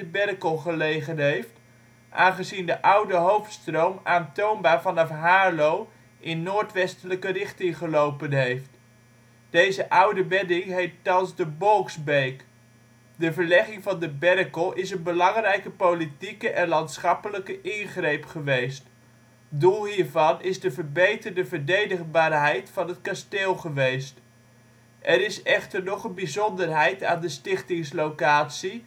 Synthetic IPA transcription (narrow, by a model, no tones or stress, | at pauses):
əbɛrəkəlˠχəlejχənɦejft | ʔaːnχəzindəʔʌwdəɦowftstrowmaːntownbaːɹvɑnɑfɦaːɹlow | ʔɪnːoːɹtʋɛstələkərɪχtɪŋχəlowpənɦejft | d̥ejzəʔʌwdəʋɛdɪŋɦejttɑnzdəbɔlˠksbejk | dəvəɹlɛχɪŋvɑndəbɛrkəlˠɪsənbəlɑŋrɛjkəpowlitikəʔɛnlɑntsχɑpələkəʔɪnχrejpχəʋejst | dulˠɦiːɹvɑnɪzdəvəɹbejtərdəvəɹdejdəχbaːrɦɛjtfɑnɦətkasteːlˠχəʋejst | ʔɛɾɪsɛχtəɹnɔχənbizɔndərɦɛjtaːndəstɪχtɪŋslowkaːtsi